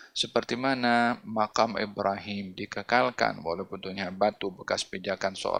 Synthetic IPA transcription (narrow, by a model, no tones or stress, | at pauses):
səpərt̪imanamakamḭbɾaɦɪmdikəkalka̰nwa̰lawpunt̪uɲabat̪ubəkasbid͡ʒakanso̰